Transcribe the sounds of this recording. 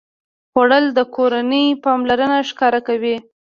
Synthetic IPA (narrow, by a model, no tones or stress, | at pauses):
xaɽəld̪əkoɾanəjpɑmlaɾənaʃkɑɾakawi